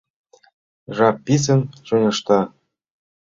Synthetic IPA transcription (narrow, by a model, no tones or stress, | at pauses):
ʐɑpːis̬ɘ̆nʃɤ̆nʲɤ̆ʃt̪ɑ